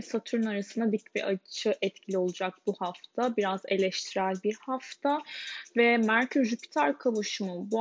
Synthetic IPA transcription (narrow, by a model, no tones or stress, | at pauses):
sat̪ʰuɾunaɾasɯnd̪ad̪icvɛ̰ʔat͡ʃʰɯʔɛt̪cʰilʲio̞lˠud͡ʒak̚buhaft̪ʰabiɾaze̞lʲɛʃt̪ʰiɾælʲbiɾhaft̪ʰavɛmæɾcʰyʒypʰi̥t̪ʰaɾkʰavuʃmubu